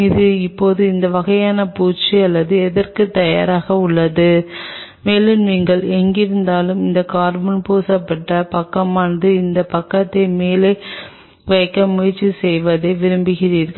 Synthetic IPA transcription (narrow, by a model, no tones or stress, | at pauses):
ɪðɯɪpːoːðɯɪnd̪ɐʋɐɣɐjaːnɐpuːt͡ʃːɯɐlːɐðɯɛðɐrkɯt̪ɐja̰ːɾaːɣɐʊɭːɐðɯ | meːlɯnʋiŋɡɐɭɛŋɡɪɾɯnd̪aːlɯmɪnd̪ɐkaːɾbɐnpoːsɐpːɐʈːɐpɐkːɐmaːnd̪ɯɪnd̪ɐpɐkːɐt̪ːɐɪmeːleː | ʋɐjkːɐmʊjɐɾt͡ʃːisɛjʋɐðɐɪʋɪɾɯmbɯɣɪriːɾ